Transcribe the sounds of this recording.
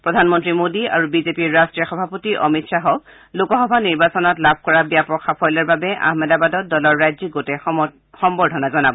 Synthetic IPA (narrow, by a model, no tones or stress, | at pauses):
pɹɔdʱanmɔntɹimodia̰ɹubizepiɹːastɹiɔxɔbʱapotiʔɔ̰mitʃaɦɔk | lokɔxɔbʱaniɹbasɔnɔtlab̚ʱkɔɹabijapɹɔxʰapʰɔjlaɹbabɛʔa̰hmɛdabadɔt̚dɔlɔɹːajziɡotɛ | xɔmbɔɹdʱɔnazɔnabɔ